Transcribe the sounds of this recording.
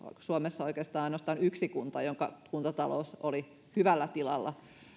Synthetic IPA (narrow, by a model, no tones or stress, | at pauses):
suomesːɑoikeːst̪ɑːɑinost̪ɑːnyksikunt̪ɑjoŋkɑkunt̪ɑt̪ɑlo̰ˑsoli | hyʋælːæt̪ilɑ̰lːɑ